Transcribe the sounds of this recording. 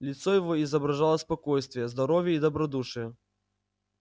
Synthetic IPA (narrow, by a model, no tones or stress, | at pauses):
lʲit̪sɔjɐvɔizɐbɾaʐalˠɐspakɔjst̪vʲjɛzd̪aɾɔvʲjɛid̪ɐbɾad̪uʂɨjɐ